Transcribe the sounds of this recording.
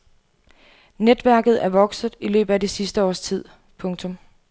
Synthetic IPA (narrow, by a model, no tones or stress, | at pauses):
ned̥ʋæɐ̰ɡ̥ð̞̩ˠæɐʋɒ̽ɡ̥sð̩ˠilø̰ːb̥ð̩ˠæd̥esisd̥əɒ̰ːst͡sʰið̞̰ˠ | pʰɔ̽ŋt͡sʰɔ̽m